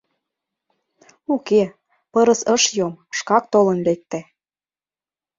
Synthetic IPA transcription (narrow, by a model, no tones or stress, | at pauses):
uke | pɤɾə̆səʃjomʃkɑk̚t̪olə̆nlek̚t̪e